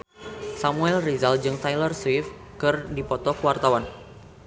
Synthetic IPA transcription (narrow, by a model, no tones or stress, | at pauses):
samuɛlrizald͡ʒɨŋt̪ajlərswif | kɨrdipɔt̪ɔkəwart̪awan